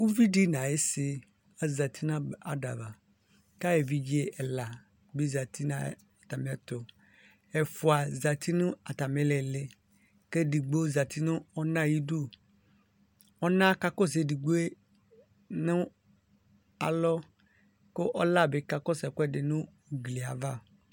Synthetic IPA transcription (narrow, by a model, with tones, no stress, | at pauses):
ku˦vi˦ɖi˦nã˨je˦si˨ | a˦za˨t̪ʰi˦nã˦˨a̰˨da̰˨va˨ | ka˦e˨vi˦d͡ʒe˦ɛ˨la˨ | be˦za˨t̪i˦nã̰˦ | a˨t̪a˨mẽ˨a˨t̪o˨ | ɛ˨fu˨a˨za˨t̪ʰi˦nũ˦a˨t̪a˨mẽ˨le˨le˨ | ke˦di˨ɡ͡bo˦za˨t̪i˦nũ˦ɔ˦nã˦˨ji˦du˦˨ | ɔ˦nã˦ka˦kɔ˦ze˨di˨ɡ͡bo˦e˦ | nʊ̃˦ | a˨lɔ˦ | ko˦ʔɔ˦la˦be˨ka˦kɔ˦sɛ˨kɔ˦ɛ˦ɖɪ˨nũ˦˨ | ɡli˨a˨va˦